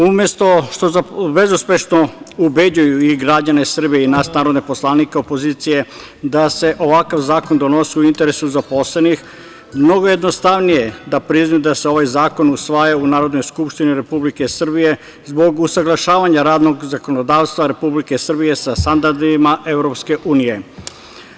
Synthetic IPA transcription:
umje̞st̪o̞ʃt̪ozabe̞zuspʲje̞ʃno̞ubed͡ʒujuiɡɾad͡ʑane̞sr̩bijeinasnaːɾo̞d̪ne̞po̞slˠanikeopo̞ziːt̪sije̞ | d̪ase̞ʔo̞ʋakaʋzaːko̞nd̪o̞no̞siuint̪e̞ɾesuzapo̞slenix | mno̞ɡoje̞d̪no̞st̪aʋnije̞d̪apɾiznajud̪aseo̞ʋajzaːko̞nusʋajaunaːɾo̞d̪no̞jskupʃt̪iniɾe̞publike̞sr̩bije̞ | zbo̞ɡusaɡlˠaʃaːʋaɲaɾaːd̪no̞ɡzako̞nod̪aːʋst̪ʋaɾe̞publike̞sr̩bije̞sast̪and̪aɾd̪imaʔe̞vɾo̞pske̞ʔuːnije̞

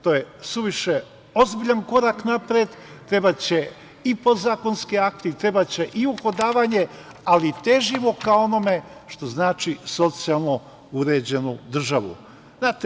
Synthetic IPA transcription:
t̪o̞jesuʋiʃe | o̞zbiʎanko̞ɾaknapɾed̪t̪ɾe̞bat͡ɕe̞ | ipo̞zaːko̞nskiakt̪it̪ɾe̞bat͡ɕe̞ʔiuxod̪aːʋaɲe | alit̪e̞ʒimo̞kao̞no̞me̞ʃt̪o̞znaːt͡ʃiso̞t̪sialˠno̞ | uɾeːd͡ʑe̞nud̪r̩ʒaʋṵ | naːt̪

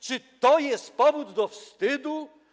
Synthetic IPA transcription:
t͡ʂɨt̪ɔjɛst̪pɔvud̪ːɔfst̪ɘd̪u

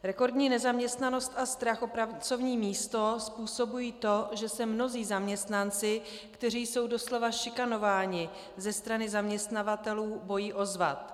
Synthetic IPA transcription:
ɾɛko̞ɾdɲiːnɛzamɲɛst̪nano̞st̪ast̪ɾaxʔo̞pɾavt͡so̞vɲiːmiːst̪o̞spuːso̞bujiːt̪o̞ʒɛsɛmno̞ziːzamɲɛst̪nant͡sɪ | kt̪ɛr̝iːjso̞wdo̞slo̞vaʃɪkano̞vaːɲɪ | zɛst̪ɾanɪzamɲɛst̪navat̪ɛluːbo̞jiːʔo̞zva̰t̪

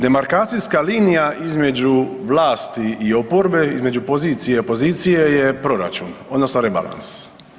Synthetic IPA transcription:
d̪e̞maɾkaːt̪siskaliːnijaʔizme̞d͡ʒuʋlaːst̪iio̞po̞ɾbe̞izme̞d͡ʒupo̞ziːt̪sijepo̞ziːt̪sijejepɾo̞ɾa̰t͡ʃuno̞d̪nosnoɾeba̰lˠa̰ns

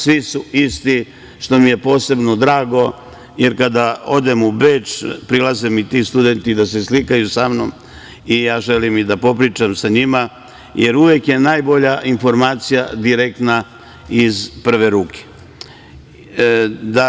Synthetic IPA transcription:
sʋisuist̪i | ʃt̪o̞mije̞po̞ːse̞bno̞d̪ɾaːɡo̞ | je̞ɾkad̪ao̞d̪emubeːt͡ʃpɾilˠazemit̪ist̪ud̪ent̪id̪as̬e̞slikajusamnom | ijaːʒelimid̪apo̞pɾiːt͡ʃamsaɲima | je̞ɾuʋjekje̞naːjbo̞ʎaʔinfo̞ɾmaːt̪sijad̪iɾek̚t̪na | izpr̩ʋeɾuːke̥ | d̪a

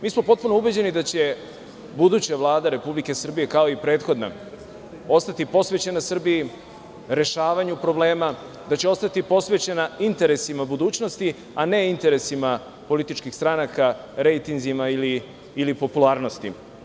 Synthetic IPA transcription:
miːsmo̞po̞t̪̚puno̞ubed͡ʑe̞nid̪at͡ɕe̞ | bud̪ut͡ɕaʋlˠaːd̪aɾe̞publike̞sr̩bije̞kao̞ipɾe̞ːt̪xo̞d̪na̰ | o̞st̪at̪ipo̞sʋe̞t͡ɕenasr̩biji | ɾe̞ʃaːʋaɲupɾo̞ble̞ːma | d̪at͡ɕeo̞st̪at̪ipo̞sʋe̞t͡ɕenaint̪e̞ɾe̞simabud̪uːt͡ɕno̞st̪i | ane̞int̪e̞ɾe̞sima | po̞lit̪it͡ʃkixst̪ɾanaka | ɾe̞jt̪inzimailiː | lipo̞pulˠaːɾno̞st̪ḭ

